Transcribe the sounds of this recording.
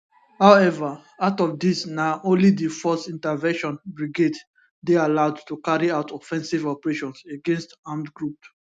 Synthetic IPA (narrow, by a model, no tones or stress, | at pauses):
haʊɛva | aʊtɔvdisnaʊʔõnlidifɔstĩntəvɛ̃nʃɔ̃nbɹiɡed | dealaʊdtukaɹiaʊtʰɔfɛ̃nsivɔpɹeʃɔ̃nseɡɛ̃nstãmdɡɹup